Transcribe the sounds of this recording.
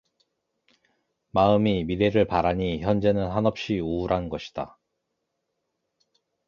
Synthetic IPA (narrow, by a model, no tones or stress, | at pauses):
maɯmimiɾe̞ɾɯɭpaɾaɲiçjʌnd͡ʑe̞nɯnɦanʌp̚ɕ͈iuuɾɦanɡʌɕʰi̥d̥a̰